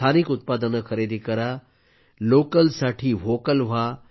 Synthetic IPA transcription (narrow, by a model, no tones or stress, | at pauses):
anikut̪̚pad̪ənəkʰəɾed̪ʱikəɾa | lokəlsaʈʰiːʋokəlʋ̤a